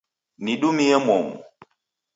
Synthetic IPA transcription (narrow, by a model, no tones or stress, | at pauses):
niɗumijamɔŋṵ